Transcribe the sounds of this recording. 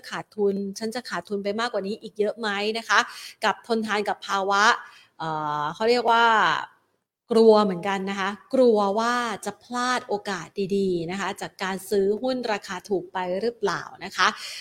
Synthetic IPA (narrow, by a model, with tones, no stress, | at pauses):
kʰaː˨˩t̪ʰːu˧nt͡ɕʰa˦˥nt͡ɕa˨˩kʰaː˨˩t̪ʰːu˧npa˧jmaː˥˩kwaː˨˩niː˦˥ʔiː˨˩k̚jɤ˦˥ma˦˥jna˦˥kʰa˦˥ka˨˩p̚t̪ʰo˧nt̪ʰaː˧nka˨˩pʰːaː˧wa˦˥ʔ | ʔɤː˨˩kʰa˦˥˩wɾi˥˩ək̚waː˥˩ | kɾu˧ɐmɯ˩˦ənka˧nːa˦˥kʰa˦˥kɾu˧ɐwaː˥˩t͡ɕa˨˩pʰlaː˥˩t̪̚ʔoː˧kaː˨˩t̪̚diː˧diː˧na˦˥kʰa˦˥t͡ɕaː˨˩kːaː˧nsɯː˦˥ɦu˥˩nɾaː˧kʰaː˧t̪ʰuː˨˩k̚pa˧jɾɯ˦˥pla̰ː˨˩wna˦˥kʰa˦˥ʔ